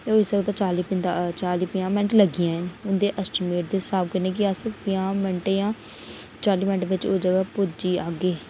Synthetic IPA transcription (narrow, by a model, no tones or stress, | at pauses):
t̪eoːɪsəɡt̪ãːt͡ʃaːliːpɪnt̪at͡ʃaːliːpɪjãːmɪnəʈləɡɪjãːɦɛnʊnd̪eːʔəsʈɪmeːʈ̚d̪eːsaːbkəneːk̬ɪasəpɪjãːməɳʈeːjãː | t͡ʃaːliːmɪnʈʋɪt͡ʃoːd͡ʒəɡaːpʊd͡ʒiːaːɡeː